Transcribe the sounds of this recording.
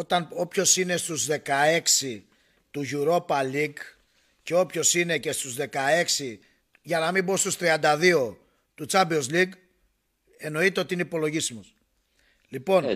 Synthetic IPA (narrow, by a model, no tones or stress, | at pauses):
o̞t̪ɐno̞pço̞sine̞st̪uzðe̞kɐe̞ksi | t̪uʝuɾo̞pɐliɡ | ceo̞pço̞sine̞ce̞st̪uzðe̞kɐe̞ksi | ʝɐnɐmibo̞st̪ust̪ɾiɐnd̪ɐðio̞ | t̪ut͡sɐmbiozliɡ | e̞no̞it̪e̞o̞t̪iineipo̞lo̞ʝisimos | lipo̞n